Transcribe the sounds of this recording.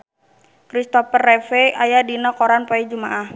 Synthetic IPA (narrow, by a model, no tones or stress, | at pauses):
kɾist̪ɔfərːɛfɛʔajadinakoɾanpoid͡ʒumaʔah